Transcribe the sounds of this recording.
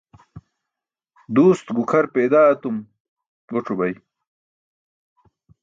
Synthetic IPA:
d̪uːst̪ɡukʰɐɾpeːd̪aːɐt̪um | ɡoʈ͡ʂʰubɐj

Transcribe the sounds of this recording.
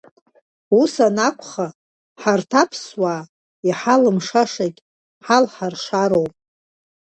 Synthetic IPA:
usanakʷʰʼχa | ħartʰapʰswaː | iħalɨmʂaʂakʲʼ | ħalħarʂaɾowpʼ

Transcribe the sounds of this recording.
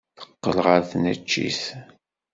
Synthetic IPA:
θə̥qːəlʁəɾθnæ̰t͡ʃːḭθ

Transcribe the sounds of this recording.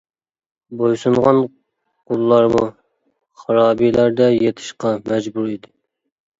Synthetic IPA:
bojsuɴʁɑn | qʰolˠːɑɾmṵ | χɑɾɑːbilæɾd̪ɛjet̪ʰɪ̥ʃqɑmɛd͡ʒbuɾid̪ɪ

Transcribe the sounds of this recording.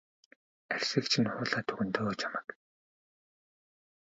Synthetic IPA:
ærʲsɘ̆kt͡ɕʰĭnχʊːɮaːt̪ʰɵɣɵ̆nt̪ʰoːt͡ɕʰamə̥̆k

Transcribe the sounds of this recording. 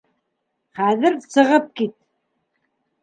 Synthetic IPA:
χæðɘɾsɤ̆ʁɤp̚kit̪̚

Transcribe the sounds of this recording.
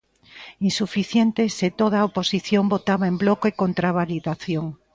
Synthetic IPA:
insufiθjent̪eset̪oð̞aoposiθjombot̪aβaemblokoekont̪ɾaβaliðaθjoŋ

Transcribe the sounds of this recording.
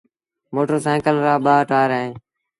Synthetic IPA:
moːʈəːsɛ̃ːkəlɾaːɓaːʈaːɾɦẽː

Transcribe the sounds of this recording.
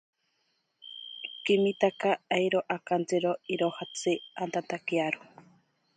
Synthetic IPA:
kimit̪akaejɾoʔakant͡sɨɾoiɾohat͡sɨant̪ant̪akiaɾo

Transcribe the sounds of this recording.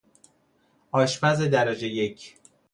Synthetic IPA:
ɒːʃbæzed̪æɾæd͡ʒejecʰ

